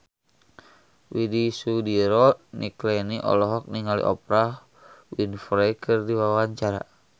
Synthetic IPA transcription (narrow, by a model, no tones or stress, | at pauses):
widisudiɾɔniklɛniʔɔ̰lɔɦɔk̚niŋalḭʔɔpɾa | winfɾɛkʰɨrdiwawaɲt͡ʃaɾa̰